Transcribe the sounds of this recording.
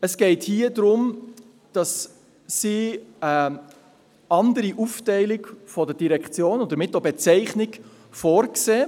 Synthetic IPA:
əsɡ̥ɛɪthiːədɾʊm | d̥ɑsː | iə | ɑndəɾiʔuftɛɪlɪkfɔdəd̥iɾɛkχt͡sjoːnɔd̥̪əɾmɪtːobɛt͡sɛɪχnɪk | fɔːɾkseː

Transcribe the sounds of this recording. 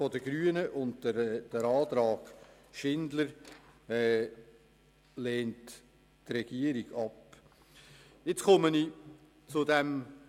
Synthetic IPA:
fɔdəɡ̥ɾyːənəʔʊndəd̥əɾɑːt̪ɾɑːɡ̥ | ʃɪndləɾɛ | lɛːnt | trɛɡ̥iəɾiɡ̥ɑp | jɪt͡skʊməni | t͡sʊdɛm

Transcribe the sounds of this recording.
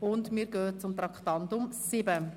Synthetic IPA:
ʊndmiːɾɡøːt͡sʊmt̪ɾɑktɑntʊmsɪbə

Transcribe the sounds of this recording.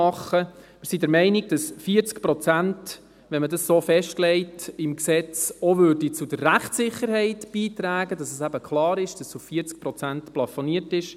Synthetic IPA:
ɑχə | mɪɾsidɛɾmɛɪnɪɡ̥̚d̥ɑsfiəɾt͡skpɾɔt͡sænt | ʋɛnmədɑssoːfɛʃtlɛɪtɪmksɛt͡sɔʋʉːɾdit͡sud̥əɾːæχtsɪχəɾɦɛɪtb̥iːt̪ɾæːɡədɑsɛsæbəkχlˠɑːɾɪʃd̥ɑsuffiəɾt͡sk̚pɾɔt͡sæntplɑfoniətɪʃ

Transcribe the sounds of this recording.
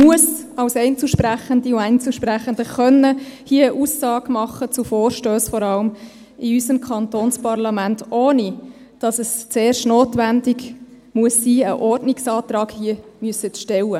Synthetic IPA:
muəsɑwsɛɪnt͡suːʃpɾæχənd̪iʊɛɪnt͡suːʃpræχəndəχœnːəhiəəʔuːsːɑːɡ̥mɑχət͡sufoːrʃtøːsfɔɾɑləm | ɪysəmkʰɑnt̪oːnspɑɾlɑmæntʔoːni | d̥ɑsəst͡seːrʃtnoːtʋændɪɡ | muəsːiːəʔɔrdnɪksɑːtɾɑːɡhiəmyəsətʃtɛlə

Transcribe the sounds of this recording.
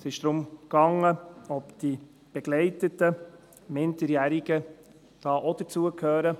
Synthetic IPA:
sɪʃd̥ɾʊmkɑŋəɔpd̥i | b̥ɛɡ̥lɛɪtətə | mɪndəɾjæɾiɡ̥ə | d̥ɑːʔod̥ət͡suəkʰhøːɾə

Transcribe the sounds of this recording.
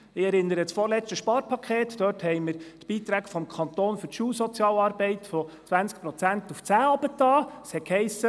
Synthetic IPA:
ɪɛɾɪnːəɾəsfɔɾlɛt͡stəʃpɑːɾpʰɑkʰeːtd̥øːthɛɪmɪɾt̪b̥iːt̪ɾæːɡfɔmkʰɑnt̪oːnfʏɾtʃuːsɔt͡sjɑːlɑːɾbɛɪtfɔt͡sʋænt͡skpɾɔt͡sæntuft͡sæːɑb̥ətɑːshɛtkhɛɪsə

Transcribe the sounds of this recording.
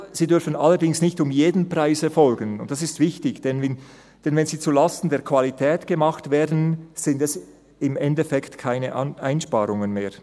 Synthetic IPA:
z̥iːdʏɾfənalːəɾdɪŋsnɪçtʊmjeːdən̩praɪsɛfɔlɡənʊntd̥asɪstv̥ɪçtɪçd̥ɛnɛn | d̥ɛnvɛnziːt͡sulastn̩deːɐkv̥alitʰɛːtɡ̥əmaχtveːɐdn̩z̥ɪndɛs | ɪmɛndɛfɛktkʰaɪnəʔnʔaɪnʃpaːɾʊŋənmeːɐ

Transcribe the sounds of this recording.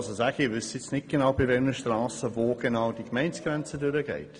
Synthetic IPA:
sosæːɡəɪvʏsɪt͡snɪt̚ɡ̥enawbɪvɛlnəʃtrɑːsəvoːɡ̥enaʊd̥ikmɛɪnt͡sɡ̥rɛnt͡sədʏɾəɡɛ̰ɪt

